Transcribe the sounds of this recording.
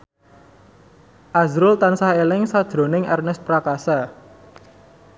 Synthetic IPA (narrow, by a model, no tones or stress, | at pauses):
ʔazɾʊlt̪ansaɦelɪŋsad̥ʒ̥ɾo̤nɪŋʔɛ̰rnɛspɾakasa